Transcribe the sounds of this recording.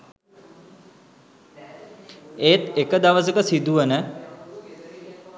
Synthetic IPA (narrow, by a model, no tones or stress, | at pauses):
eːt̪ekəd̪aʋəs̬əkəsid̪uʋənə